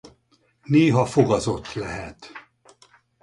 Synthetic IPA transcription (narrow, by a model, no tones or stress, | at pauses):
neːɦɒfoɡɒzo̞t̪ːlɛɦɛt̪